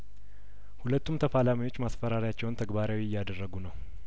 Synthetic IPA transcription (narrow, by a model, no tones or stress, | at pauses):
hulət̪ʰːumt̪ʰəfalamiwo̞t͡ʃːmasfəɾaɾijat͡ʃːɛwnt̪ʰəɡbaɾawiɪjːad̪ərːəɡunəw